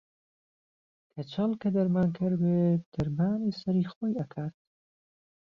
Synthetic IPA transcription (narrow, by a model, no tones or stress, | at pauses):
kʰɐt͡ʃʰɐlˠkɐd̪ɐɾmaːnkʰɨɾbeːd̪̥ɐɾmaːniːsɐɾiːxoːjɐkʰaːt̪̚